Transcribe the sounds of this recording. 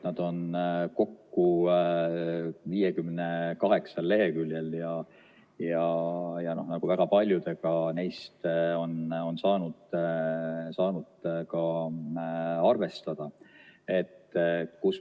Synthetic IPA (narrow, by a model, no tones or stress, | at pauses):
nɑd̪̥o̞nko̞kːu | viːjekymnekɑɦe̞ksɑlːe̞ɦe̞kylʲjeljɑ | jɑjɑno̞hnɑɡ̥uvæɡ̥ɑpɑlʲjud̪e̞ɡ̥ɑne̞jst̪o̞no̞nsɑːnud̪̥ | sɑːnud̪̥kɑ | ɑrve̞st̪ɑd̪̥ɑe̞t̪ːkus